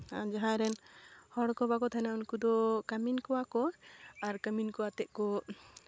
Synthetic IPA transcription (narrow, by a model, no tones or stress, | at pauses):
ad͡ʒaɦãɾɛnhɔɽkɔbakɔt̪ʰajnaunkud̪ɔkaminkɔwakɔaɾkəminkɔwat̪ɛʔkɔ